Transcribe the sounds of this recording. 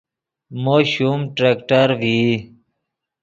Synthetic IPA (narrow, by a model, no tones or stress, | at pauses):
moːɕumʈɾekʈəɾvi